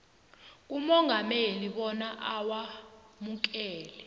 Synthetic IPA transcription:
k̬ʼumɔŋɡʱameliɓɔnaʔawamuk̬ɛːlɛ

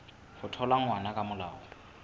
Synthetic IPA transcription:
hʊtʰɔlaŋ̩wanakʼamʊlaːɔ

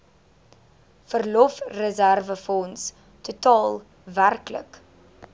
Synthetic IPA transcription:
fərlɔfrəzærvəfɔns | tutɑːlˠ | værklə̰k

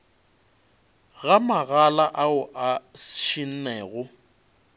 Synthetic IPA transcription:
ɣamaɣalaʔaʊʔaʃin̩nɛːɣʊ

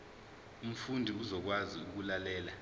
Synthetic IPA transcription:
um̩fundʱiuzɔk̬waziuk̬ulalɛːla

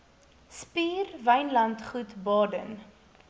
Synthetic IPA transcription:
spiːrvəjnlɐntχutbɑːdən

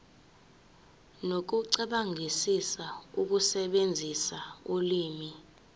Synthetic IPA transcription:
nok̬uǀɛɓaŋʱisisauk̬usɛɓend͡zʱisauliːmi

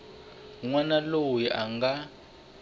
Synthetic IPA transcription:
ŋwanalowiʔaŋɡa

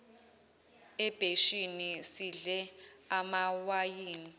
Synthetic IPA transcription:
ɛb̥ʱeʃinisiɮɛamawajiːni

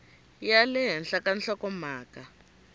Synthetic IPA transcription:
jalɛɦɛnɬakan̩ɬɔkɔmaːka

